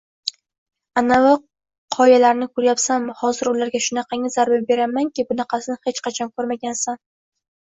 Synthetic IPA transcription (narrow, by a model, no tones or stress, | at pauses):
anawa | qʰɒjalaɾnɪkʰɵɾjapsamhɒzɪɾʊlaɾɡʲaʃʊnaqʰɑŋazaɾbɪbe̞ɾamaŋkʲɪbʊnɑqʰɑsɪnɪhet͡ʃqɑt͡ʃʰɒnkʰɵɾmaɡʲansan